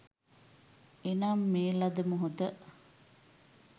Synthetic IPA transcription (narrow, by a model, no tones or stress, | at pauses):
enaːmːeːlɐd̪ɐmuɦud̪əʔ